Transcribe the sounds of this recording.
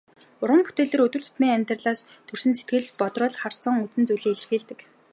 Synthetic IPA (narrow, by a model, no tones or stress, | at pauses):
ʊrʁə̆ŋpu̥t̪eːɮeːɾɵt̪ɵ̆r̥t̪ʰʊ̥t̪miːŋæmʲt̪rɮaːst̪ʰɵr̥sɘ̆nset̪ɡɘ̆ɮpɔt̪rɔːɮχar̥t͡sə̆ŋɵt͡sɘ̆nt͡sujɮiːŋeɮɘ̆rxiːɮt̪ɘ̆k